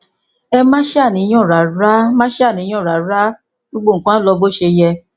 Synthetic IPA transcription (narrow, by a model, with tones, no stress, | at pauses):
ɛ˧mã˦ʃɛ˦a˦˨nĩ˨˦j̃ɔ̃˦˨ɾa˨ɾa˦mã˦ʃɛ˦a˦˨nĩ˨˦ɔ̃˦˨ɾa˨ɾa˦ | ɡ͡bo˧ɡ͡bo˦˨kã˦lɔ˧bo˦ʃe˧jɛ˧